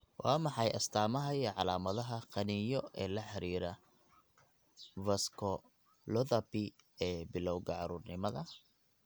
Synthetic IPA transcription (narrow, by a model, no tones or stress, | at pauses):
wʔɑ̰ːmɑħɑjʔɐst̪ʰaːmɐɦɐjɛʕɑlaːmɐðɐɦɐqɑnijɔɛːlɐħɑɾiːɾɐ | vɐskʰɔ | lɔðɐpiɛːbɪlɔwɣɐʕɑɾuːrnɪmɐðɐ